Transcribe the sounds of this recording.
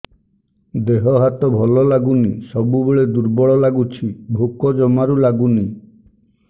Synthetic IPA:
d̪eɦɔɦat̪ɔbʱɔlɔlaɡunisɔbubeɭed̪uɾbɔɭɔlaɡut͡ʃʰibʱokɔd͡ʒɔmaɾulaɡuni

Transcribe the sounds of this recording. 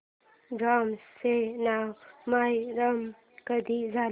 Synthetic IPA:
ɡamsenawmajɾam | kəd̪izaː

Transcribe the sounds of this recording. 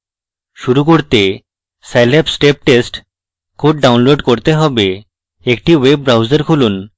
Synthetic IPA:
ʃuɾuk̬oɾt̪e | selepsʈep̚ʈesʈ | kʰoʈ̚ɖawnloɖkoɾt̪eɦɔbe | ekʈiweb̚ːɾawd͡ʑəɾkʰulun

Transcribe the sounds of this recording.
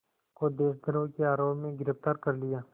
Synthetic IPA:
kod̪eːʃd̪əɾõkeaːɾoːpmẽɡɪɾəft̪aːɾkɐɾlɪjaː

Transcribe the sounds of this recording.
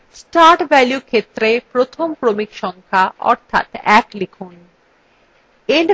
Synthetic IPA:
sʈaːɾʈʋɛljukʰet̪ɾepɾot̪ʰompɾomikʃɔ̃ŋkʰaɔ̰ːɾt̪ʰa̰ːt̪ɛːklɪkʰuːn | eɳɖ

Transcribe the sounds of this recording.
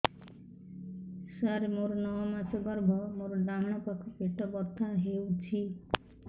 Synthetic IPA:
saɾmoɾnɔwɔmat͡ʃɔɡɔɾbʱɔmoɾɔɖamɽ̃ɔpakʰupeʈɔbɔɾt̪ʰaɦewt͡ʃʰi

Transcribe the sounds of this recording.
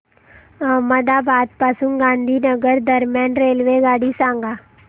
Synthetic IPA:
məd̪aːbaːd̪̚paːsũɡãːnd̪ʱiːnəɡəɾd̪əɾmjaːnɾeːlʋeːɡaːɽiːsãːŋɡaː

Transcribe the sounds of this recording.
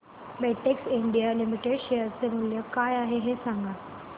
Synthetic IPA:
beʈeksiɳɖijalimiʈeɽɕejəɾt͡semuljəkajaɦeɦesãŋɡa

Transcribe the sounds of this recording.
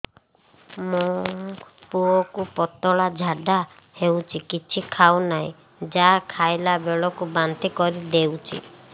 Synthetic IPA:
mo | puɔkupɔt̪ɔɭad͡ʒʱaɖa | hewt͡ʃʰikit͡ʃʰikʰawnaḭ̃ | d͡ʒakʰajlabeɭɔkubant̪ikɔɾid̪ewt͡ʃʰḭ

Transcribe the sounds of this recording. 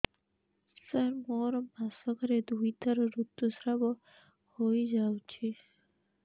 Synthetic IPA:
saɾmɔɾɔbasɔɡɔɾed̪ujt̪aɾɔɾut̪ːusɾabɔ | hojd͡ʒawt͡ɕʰi

